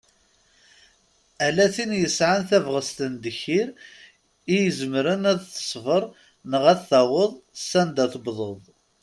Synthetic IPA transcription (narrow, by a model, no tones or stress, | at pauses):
ælæθinjəsʕanθævʁəst̪ənd̪əçiɾ | ijəzəmɾənæðθə̥sˤvəɾˤ | nəʁæθθæwəðˤsːænd̪æθəbðˤoðˤ